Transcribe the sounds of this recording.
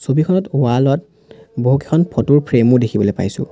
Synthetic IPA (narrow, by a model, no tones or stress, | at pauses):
sobikʰɔnɔtwalɔt | boɦuke̥kʰɔnpʰɔtuɹpʰɹemʊdekʰibɔlojpa̰jsʊ̰̃